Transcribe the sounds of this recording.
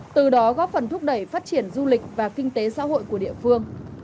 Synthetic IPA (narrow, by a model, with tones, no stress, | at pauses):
t̪ɨ˨˩ɗɔ˨˦ɣɔ˨˦˥p̚fə˨˩nt̪ʰʊ˦˥k͡p̚ɗə˧˩jfaː˦˥t̚t͡ɕi˧˩ənzu˧lï˨˩k̟̚vaː˨˩kï˧ŋ̟t̪e˨˦sa̰ː˧˥ɦo̰˧˨jku˧˩əɗḭ˧˨əfɨ˧əŋ